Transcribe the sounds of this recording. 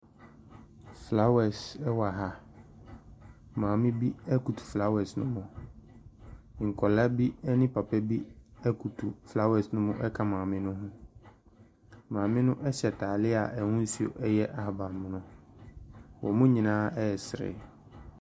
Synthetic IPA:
fla˦wɛ˨sɛ˦wa˨ɦa˨ | mãː˨mɪ̃˦bi˦ɛ˦ku˨tʰu̥˨fla˦wɛ˨snʊ̃˦mʊ̃˨ | ŋ̩˨kʰɔ˨la˦bi˦ɛ˦nɪ̃˦pʰa˨pʰɛ˦bi˦ɛ˦kʰu˨tʰu˨fla˦wɛ˨snʊ̃˦mʊ̃˦ʔɛ˦kʰa˦mãː˨mɪ̃˦nʊ̃˦ɦʊ̃˦ | mãː˨mɪ̃˦nʊ̃˦ʔɛ˦ɕɛ˨tʰaː˨lɪ˦a̰˨ʔɛ˨ŋʊ̃˦n̩˦si˨o̰˨ʔɛ˦jɛ˦ʔa˨ha˨ba˨m˨mʊ̃˨nʊ̃˦ | wɔ̰˨mʊ̃˦ɲĩ˨nãː˦ɛ˦˨sɾɪ̰˨

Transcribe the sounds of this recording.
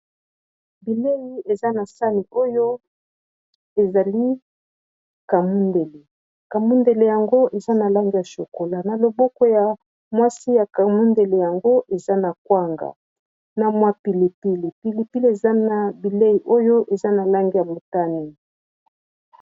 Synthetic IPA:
bi˨le˦ji˨e˨za˦na˨sa˦ni˨o˦jo˦ | e˨za˨li˦ | ka˨mu˦nde˨le˨ | ka˨mu˦nde˨le˨ja˨ŋɡo˦ʔe˨za˦na˨la˦ŋɡi˦ja˨ʃo˨ko˨la˨na˨lo˨bɔ˦kɔ˦ja˨ | mwa˦si˦ja˨ka˨mu˦nde˨le˨ja˨ŋɡo˦ʔe˨za˦na˨k̚wa˦ŋɡa̰˨ | na˨mwa˦pi˨le˨pi˦le˨pi˨li˨pi˦le˨za˦na˨bi˨le˦ji˨ʔo˦jo˦ʔe˨za˦na˨la˦ŋɡi˦ja˨mo˨ta˦ne˨

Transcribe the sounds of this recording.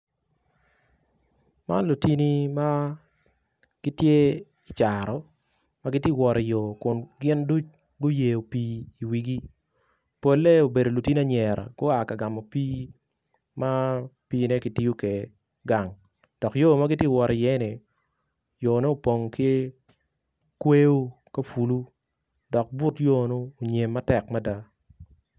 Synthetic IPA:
ma̰˦nlu˨ti˦ni˦ma˦ | ɡ̥i˦tje˦ | i˨t͡ʃa˨ɾɔ˨ | ma˦ɡɪ˦tje˦˨wɔ˨ɾi˨jo˨kʊ˨nɡɪ˦ndu˦t͡ʃ | ɡʊ˦je˨o˨piː˦i˨wi˨ɡi˦ | po˦lːe˦o˨be˨do˨lu˨ti˦ni˦a˦ɲɛ˨ɾa̰˨ɡ̥ʊ˦a˨ka˨ɡa˨mo˨piː˦ | ma˦piː˦nɛ˦kɪ˨ti˦jo˦ke˨ | ɡa˨ŋ | d̥ɔ˨kjo˦˨ma˦ɡɪ˦tje˦˨wɔ˨ɾɪ˨jɛ˦nɪ˨ | jo˨ne˦o˨po˨ŋke˦ | kwe˦o˦ | ka˦fu˨lu˦ | dɔ˨k̚bʊ˦tjo˦noː˦˨ɲe˨mːa˦tɛ˨kma˦da˦

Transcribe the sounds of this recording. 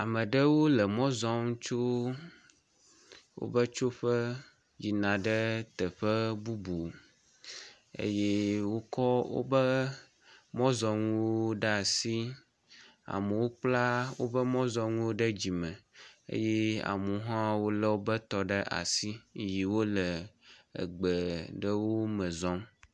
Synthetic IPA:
a˨mə̃˨ɖə˦wo˦lə˨mɔ̃˦zɔ˦ŋũ˦t͡ʃo˦ | wo̰˦bə˦t͡ʃo˦ɸə˦ | ji˨nã˨ɖə˦t̪ə˨ɸə˦bu˦bo˨ | ḛ˦je˦wo˦kɔ˦wo̰˦bə˦ | mɔ̃˦zɔ˨ŋũ˦wo˦ɖə˦a˨si˦ | a̰˨mə˨wo˦k͡pla˦wo̰˦bə˦mɔ̃˦zɔ˨ŋũ˦wo˦ɖə˦d͡ʑi˨mə̃˨ḛ˦je˦a̰˨mũ˨ɦã˦wo˦lə˦wo˦bə˦t̪ɔ˨ɖə˦ʔa̰˨si˦ji˨wo˦lə˨ə̰˨ɡ͡bə˨ɖə˦wo˦mə̃˨zɔ˦m

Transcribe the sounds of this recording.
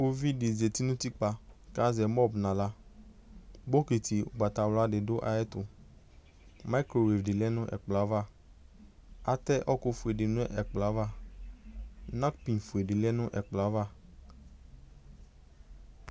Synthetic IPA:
o˦vi˦dɪ˨ze˨ti˦nʊ̃˦ti˦k͡pa˧ka˦zɛ˨mɔ˦˨bnã˨la˦ | bo˦ke˨ti˨u˨ɡ͡ba˨t̪a˨wla˦dɪ˨dʊ˦ʔa̰˨˦ɛ˦tʊ˨ | ma˦kɾo˨we˨fdɪ˨lɛ˦nʊ̃˦ʔɛ̰˨k͡pla˨˦va˦˨ | a˨tɛ˦ʔɔ˦kʊ˨fʊ˨e˨dɪ˨nʊ̃˦ʔɛ˨k͡pla˨˦va˦˨ | nã˦kpĩ˨nfu˨e˨dɪ˨lɛ˦nʊ̃˦ʔɛ˨k͡pla˨˦va˦˨

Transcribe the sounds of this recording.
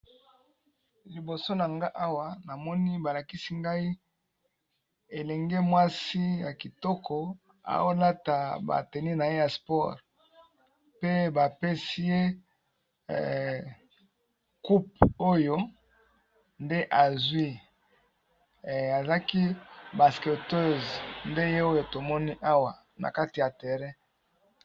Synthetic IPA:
li˨bo˨so˦na˨ŋɡa˦ʔa˦wa˦na˨mɔ˦ni˦ba˨la˨ki˦si˦ŋɡa˦i˦ | e˨lɛ˨ŋɡe˦mwa˦si˦ja˨ki˨tɔ˦kɔ˨ | a̰˨wo˦la˦ta˨ba̰˨tɛ˨ni˦na˨je˦ja˨spɔ˦˨ʁ | pe˦ba˨pe˦si˦je˦ | ku˦p̚o˦jo˦ | nde˦ʔa˨zwi˦˨ | a˨za˦ki˦ba˨ske˨tø˦˨znde˦je˦o˦jo˨to˨mɔ˦ni˦ʔa˦wa˨ | na̰˨ka˦ti˨ja˨tɛ˨ʁɛ˦

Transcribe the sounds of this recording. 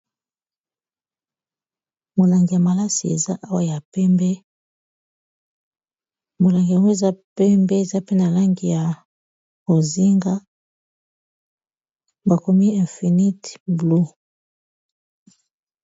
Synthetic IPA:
mo˨la˨ŋɡi˨ja˨ma˨la˦si˨ḛ˨za˦ʔa˦wa˨ja˨pɛ˦mbɛ˦ | mo˨la˨ŋɡi˨a˨we˦˨za˦pɛ˦mbɛ˦e˨za˦pe˦na˨la˦ŋɡi˨ja˨ | o˨zi˦ŋɡa˦ | ba˨ko˨mi˦ɛ˨fi˨ni˦tblu˦

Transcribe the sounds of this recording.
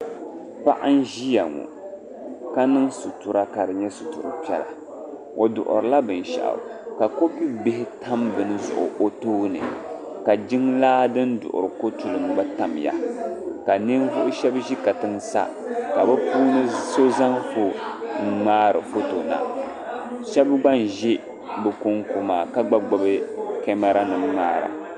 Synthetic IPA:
pa̰˦ʔa˦n̩˦ʒi˦ja˨ŋṵ˨ | ka˦nɨ˦ŋsu˨tu˨ɾa˦ka˨ɾɨ˨ɲɛ˦su˨tu˨ɾɨ˨pɛ˦la̰˨ | ʔo˨dʊ̰˨ʔʊ̰˨ɾɨ˨la˦bɨ˨n˨ʃa̰˨ʔa̰˨ka˨ko˦pi˦bɪ˦hɪ˦tʰa˦mbɨ˨nɨ˦zʊ̰˨ʔʊ̰˨ʔo˦toː˦nɨ̰˨ | ka˨d͡ʒɪ˦ŋlaː˦dɨ˦ndʊ̰˨ʔʊ̰˨ɾɨ˨ko˦tu˨lɨ˨m˨ba˦ta˨mja̰˨ka˨nɨ˦nvʊ˦ʔʊ˦ʃɛ˦bʒi˦ka˨tɨ˦nsa̰˦ | ka˨bɨ˦puː˦nɨ˦so˦za˦ŋfo˨ŋ̩˦ŋ͡maː˦ɾɨ̰˨fo˦to˨na̰˨ | ʃɛ˦bɡ͡ba˦n˨ʒi˦ | bɨ˨ku˦ŋko˨maː˨ka˦ɡ͡ba˦ɡ͡ba˨bɨ˦kɛ˦ma˦ɾa˦nɨ˨m˦maː˦ɾa̰˨

